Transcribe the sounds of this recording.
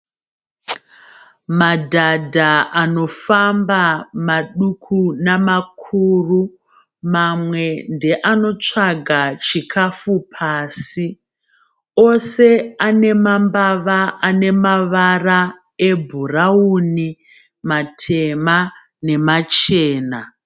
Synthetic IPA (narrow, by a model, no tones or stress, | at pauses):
madʱadʱaano̞fambamaɗukʰunamakʰuːru | mamwe̞nde̞ʔano̞t͡ʂaɡʱat͡ʃikʰafupʰaːsi | o̞se̞ane̞mambaʋaane̞maʋara | e̞bʱurauni | matʰema | ne̞mat͡ʃeːna